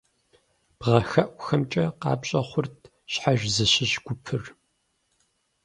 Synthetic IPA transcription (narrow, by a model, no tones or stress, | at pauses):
b̥ʁɐxɐʔʷxɐmt͡ʃʼɐqɑ̰ːpɕʼɐχʷʊrtʰ | ɕħaʒzɨɕɪɕɡ̥ʷʊpʰɨr